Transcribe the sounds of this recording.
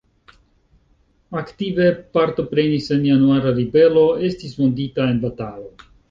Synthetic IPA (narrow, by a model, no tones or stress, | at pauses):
aktive̞paɾto̞pɾe̞nise̞njanuaɾaɾibe̞lo̞e̞stismonditae̞nbatalo̞